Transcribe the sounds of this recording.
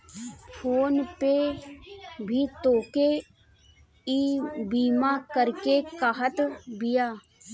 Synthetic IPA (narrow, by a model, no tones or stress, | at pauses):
pʰoːnpe | bʱit̪oːke | iːbiːmakəɾkekaɦət̪bɪjaː